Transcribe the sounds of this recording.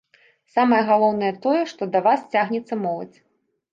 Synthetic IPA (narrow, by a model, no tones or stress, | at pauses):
samɐjɐɣalˠɔwnɐjɛt̪ɔjɛʂt̪ɔd̪ɐvast͡sʲaɣnʲɛt̪sːɐmɔlˠɐ̰t͡sʲ